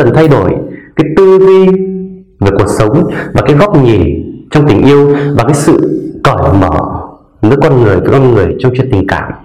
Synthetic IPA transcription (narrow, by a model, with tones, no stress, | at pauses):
ə˨˩nt̪ʰa˧jɗo˧˩jkaː˨˦jt̪ɨ˧zi˧ | ve˨˩ku˨˩ək̚sə˨˦wŋ͡mvaː˨˩kaː˨˦jɣɔ˦˥wp̚ɲi˨˩t͡ɕɔ˧wŋ͡mt̪ï˨˩ŋ̟ʔi˧əwvaː˨˩kaː˨˦jsɨ̰˧˨kɔ˧˩jmə̰ː˧˩ | vɨ̰˨˦jkɔ˧nŋɨ˨˩əjvə̰˨˦jkɔ˧nŋɨ˨˩əjt͡ɕɔ˧wŋ͡mt͡ɕwḭ˧˨nt̪ï˨˩ŋ̟kaː˧˩m